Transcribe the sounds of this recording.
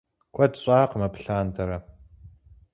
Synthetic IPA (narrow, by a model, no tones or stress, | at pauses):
kʷʰɐdɕʼaːqmɐpɬaːndʰɐɾɐ